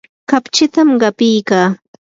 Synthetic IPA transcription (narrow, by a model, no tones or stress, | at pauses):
kapt͡ʃɪt̪amɢɑpɪjkaː